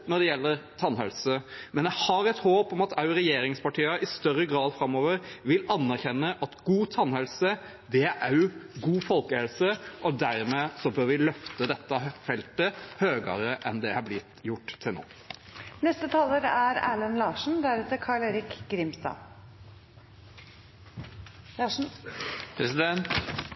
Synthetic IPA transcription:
nɔd̪ɛjɛlːəɾt̪ʰɑnhɛlsəmɛnjæhɑɾɛt̪hoːpɔmɑt̪ʰɑʉɾɛjeːɾɪŋspɑʈiːɑʔɪst̪œɾːəɡɾɑːd̪fɾɑmːoːʋəɾʋɪlɑnːæɾçɛnːəʔɑt̪ɡuːt̪ʰɑnhɛlsə | d̪ɛææɡuːfɔlkəhɛlsəʔɔd̪æɾmeːsɔbøːɾʋɪlœft̪əd̪ɛt̪ːəfɛlt̪əhøːɡə̰ɾəʔɛnd̪ɛhɑblɪt̪jʊʈːt̪ʰːɪlno̰ː | nɛst̪ət̪ʰɑːləɾæɾæ̰ːlənlɑːʂn̩d̪æɾɛt̪əɾkʰɑːɭeːɾɪkɡɾɪmst̪ɑ̰ː | pʰɾsɪd̪ɛnt̪

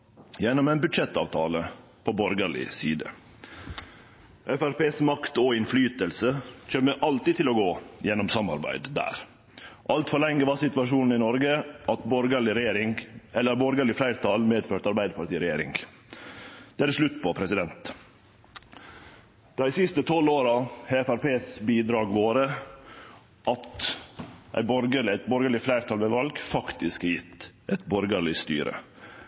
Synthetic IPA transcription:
jɛnːɔmeːnbʉd̪ʂɛt̪ːɑ̰ːʋt̪ʰɑːlə | pʰobɔɾɡəɭɪ̰siːd̪ə̰ | ʔɛfæɾpeːsmɑkt̪ɔɪnflyːt̪əlsəc͡çøːməʔɑlt̪iːt̪ʰɪloːɡoːjɛnːɔmsɑmːɑ̰ɾbæ̰ɪd̪d̪æ̰ːɾ | ʔɑlt̪fɔlɛŋːəʋɑsɪt̪ʋɑʂuːnn̩ɪnɔɾɡəʔɑt̪bɔɾɡəɭɪɾɛjeːɾɪŋɛlːəɾbɔɾɡəɭɪflæɪɾt̪ʰɑlmeːd̪føːʈɑɾbæɪd̪əpɑʈ̪iːɾɛjḛːɾɪ̰ŋɡ | d̪̥ɛæɾʂɭʉt̪ːpʰɔpʰɾɛsɪd̪ɛnt̪ | d̪̥æɪsɪst̪ət̪ʰɔlːoːɾɑheːfæɾpeːsbiːd̪ɾɑːɡʋoːɾə | ʔɑt̪ | ʔæ̰ɪbɔɾɡəlɪæt̪̚bɔɾɡəɭɪflæɪɾt̪ʰɑːlʋɛʋɑlɡfɑkt̪ɪskjɪt̪ːʔɛɪt̪bɔɾɡəɭɪst̪y̰ːɾʔə̰

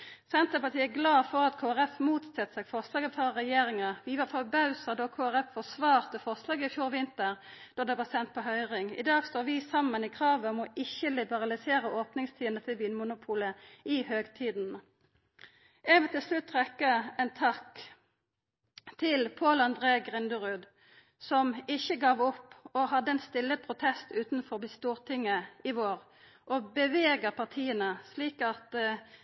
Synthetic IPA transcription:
sɛnt̪əpɑt̪ʰiːɛɡlɑːfɔʁɑt̪kʰoːæʁɛfmuːt̪sɛt̪ːsɛːɡfɔʁslɑːɡəfɑʁɛjeːʁɪŋɑʋɪːʋɑːfɔbɑʉsəd̪oːkʰoːæʁɛffɔsʋɑːʁt̪əfɔʁslɑːɡəɪfjuːʁʋɪnt̪əʁd̪̥ɔʁd̪ɛːʋɑːsɛnt̪̚pʰɔɦœʏʁɪŋɪ̰d̪ɑːɡst̪oːʁʋɪsɑmːənɪkʰʁɑːʋəɔmɔʔɪçəlɪbəʁɑlɪseːʁəʔoːpnɪŋst̪ʰiːənət̪ʰɪlʋyːnəmʊnʊpʰuːləɪhøːɡt̪ʰiːd̪n̩ | ɛʋət̪ɪlslʉt̪ːʁɛkːəɛnt̪ʰɑk | t̪ʰɪlpʰoːləɑnd̪ʁeːɡʁɪnd̪əʁʉːd̪ | sɔmɪçəɡɑːʋɔpːɔhɑd̪ːəɛnst̪ɪlːəpʰʁʊt̪ʰɛst̪ʉːt̪n̩fɔʁbɪst̪uːʁt̪ʰɪŋːəɪʋoːʁ | ʔɔbəʋeːɡəʁpʰɑʁt̪ʰiːənəsliːkɑt̪

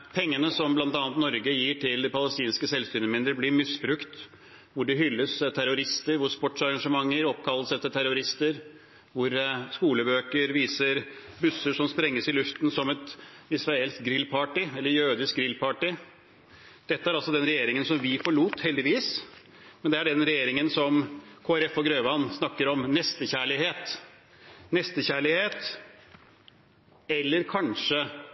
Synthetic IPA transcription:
pʰɛŋːənəsɔmblɑnt̪ɑːnət̪nɔɾɡəjiːʈʰɪld̪ɛpɑləst̪iːnskəsɛlsʏnəmɪnd̪ɾəɾblɪɾmɪsbɾʉkt̪ | ʋʊɖɛɦʏlːəst̪ʰæɾʊɾɪst̪əɾʋʊspɔʈʂɑɾɑŋʂəmɑŋːəɾɔp̚kʰɑlːəsɛt̪ːəʈ̪ʰæɾʊɾɪst̪əɾ | ʋʊɾskuːləbøːkəɾʋiːsəɾ | bʉsːəʂɔmspɾɛŋːəsɪlʉft̪n̩sɔmɛt̪ɪsʋɑɛlt̪ɡɾɪlːpʰɑːʈɪɛlːəɾjøːd̪ɪsk̚ɡɾɪlpʰɑːʈɪ | d̪̥ɛt̪ːəæɾɑlsɔd̪ɛnɾɛjeːɾɪŋənsɔmʋɪfɔɭuːt̪hɛld̪ɪʋiːs | mɛnd̪ɛæɖɛnɾɛjeːɾɪŋənsɔmkʰoːæɾɛfɔɡɾøːʋɑnsnɑkːəɾɔmnɛst̪əçæːɭɪheːt̪ | nɛst̪əçæːɭɪheːt̪ | ɛlːəɾkʰɑnʂə

